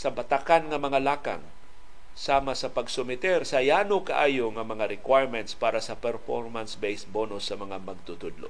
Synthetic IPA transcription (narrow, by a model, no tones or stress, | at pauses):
sɐbat̪akanŋɐmɐŋalaːka̰ŋ | saːmasɐpaɡsʊmɪt̪ɛɾsɐjaːnokaʔaːjoŋɐmɐŋaɾɪkwajɹmɛnt̪spaːɾasɐpɛɾfo̰ɹmansbejsbonʊsːɐmɐŋamɐɡ̚t̪ʊt̪ʊd̪lo̰ʔ